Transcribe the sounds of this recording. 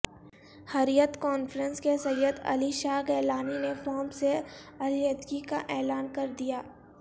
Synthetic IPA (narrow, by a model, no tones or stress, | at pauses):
hɐɾjət̪kɔːnfɾə̃nskesɐjəd̪ɐ̰liʃaːɡɛːlaːninefɔːmseɐljəd̪ɡikaʔɛːlaːnkɐɾd̪ijaː